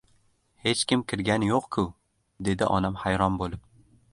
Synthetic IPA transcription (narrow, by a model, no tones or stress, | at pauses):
he̞t͡ʃkʲɪmkʲɪɾɡʲanjoqkʲʰʊ | d̪e̞d̪ɪʔɒ̰namhajɾɒmbolˠɪp̚